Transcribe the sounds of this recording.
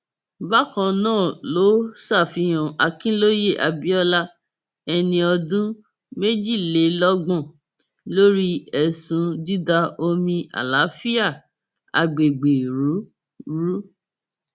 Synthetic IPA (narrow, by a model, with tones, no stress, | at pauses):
ba˦kã˧nãː˦˨lo˨˦sa˦˨fi˨˧j̃ɔ̃˨ʔa˧kĩ˦lo˦je˦˨ʔa˧bi˦ɔ˦la˦ | ɛ˧nĩ˧ɔ˧dũ˦ | me˦d͡ʒi˦˨le˨˦lɔ˦ɡ͡bɔ̃˦˨ | lo˦ɾi˦ɛ˨sũ˧di˦da˧o˧mĩ˧ʔa̰˨la˨˦fi˦a˦˨ | a˨ɡ͡be˨ɡ͡be˨ɾu˨˦ | ɾu˦